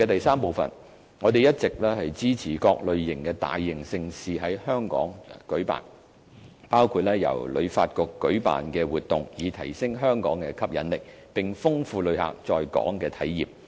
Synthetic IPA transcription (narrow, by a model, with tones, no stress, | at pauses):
ɛ˧t̪ɐ˨jsaː˥mpo˨˩wfɐ̰˨n | ŋɔː˨˧t̪e˨jɐ˥t̚t͡sɪ˨k̚lɛː˥hɐ˨jt͡siː˥t͡sʰiː˨˩kɔː˧k̚lɵ˨˧ɥːɪ˨˩ŋkɛː˧t̪a̰ː˨jːɪ˨˩ŋsɪ˧ŋsiː˨ɦɐ˨˥jhœː˥ŋkɔ̰ː˨˥ŋkɵ˨˥pa̰ː˨˩n | paː˥wkʰuː˧t̚lɛː˥jɐ̰˨˩wlɵ̰˨˧ɥfa̰ː˧t̚kɔː˧kːɵ˨˥ɥpa̰ː˨nkɛː˧wuː˨t̚t̪ʊ˨ŋjiː˨˧t̪ʰɐ˨˩jsɪ˥ŋɦœː˥ŋkɔ̰ː˨˥ŋkɛː˧kʰɐ˥p̚jɐ˨˧nlɪ˨k̚ | pɪ˨˩ŋfʊ˥ŋfuː˧lɵ˨˧ɥha̰ː˨k̚t͡sɔː˧jkɔ̰ː˨˥ŋkɛː˧t̪ʰɐ˨˥jjiː˨˩p̚